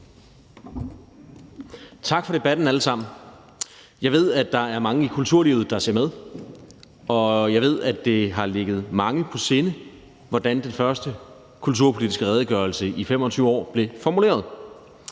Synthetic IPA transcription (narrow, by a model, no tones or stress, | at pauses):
t͡sʰɑ̈ɡ̥fɒ̽ɾ̥e̝b̥æd̥n̩æləsɑ̈m̰n̩ | jɑ̈ɪʋe̝ð̞̰ˠæ̥ɑ̈æɐmɑ̈ŋəikʰult͡sʰuɐ̰liːʊð̞̩ˠd̥ɑ̈seɐmeðˠ | ɒ̽jɑ̈ɪʋe̝ð̰ˠæ̥e̝ɦɑ̈le̝ɡ̥ð̞̩ˠmɑ̈ŋəpʰɒ̽se̝ːnə | ʋɒd̥ænd̥enfɶɐsd̥ə | kʰult͡sʰuɐ̰pʰo̝lidisɡ̥əʁɛːð̞ˠəɡ̥ɶɐlsəifem̰ɒ̽t͡sʰyːʊɒ̰ːb̥le̝fɒmule̝̰ːɐðˠ